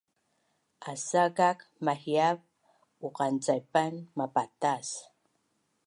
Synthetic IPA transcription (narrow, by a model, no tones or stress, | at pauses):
ʔasakakmahjav | uqant͡sajpanmapatas